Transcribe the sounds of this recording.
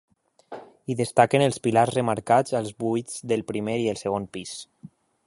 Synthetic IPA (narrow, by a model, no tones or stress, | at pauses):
iðəst̪akenəlˠspilazrəmaɾkad͡zəlˠzβujd͡zðəlˠpɾimeɾiəlˠsəɣ̞onpis